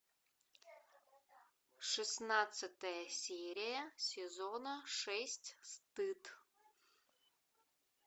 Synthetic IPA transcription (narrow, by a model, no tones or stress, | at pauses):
ʂɨsnat̪sɨt̪ɐjɐsʲeɾʲɪjɐsʲɪzonɐʂɛsʲtʲst̪ɨt̪